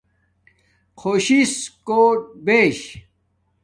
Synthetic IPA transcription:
qʰoːɕiskoːʈ̚beːɕ

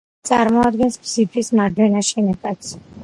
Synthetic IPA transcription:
t̪sʼaɾmɔad̪̚ɡɛnsbzipʰismaɾd̪wɛnaʃɛnɛbat̪s

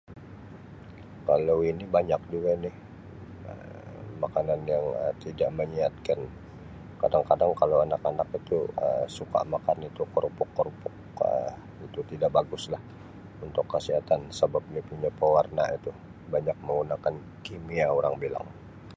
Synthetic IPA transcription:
kalowinibaɲak̚duɡanɪh | ə̰makananjaŋə̰t̪idaʔməɲiat̪̚kan | kadaŋkadaŋkalawanakanakit̪uə̰msuka̰ʔmakanip̪ukːɔrpʊkːɔrpʊk̚ | ə | it̪ut̪idaʔ̚baɡʊslah | unt̪ʊkːəsiɦat̪ansəbap̚nipuɲapəwarnait̪u | baɲak̚məŋɡunakan | kimiaoɾaŋbila̰ŋ

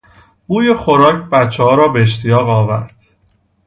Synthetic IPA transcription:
buːjexo̞ɾɒːcʰbæt̪t͡ʃʰːehɒːɾɒːbe̞eʃt̪ʰijɒːɣɒːvæɾd̪̥

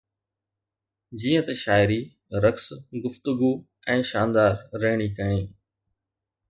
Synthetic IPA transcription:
d͡ʑiːə̃t̪ɐʃaːɪɾi | ɾɐksɡʊft̪ʊɡu | ɛ̃ːʃaːnd̪aːɾːɐɦɪɽ̃ikɐɽ̃iː

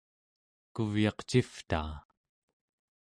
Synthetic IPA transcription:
kuvjɑqt͡ʃift̪a̰ː

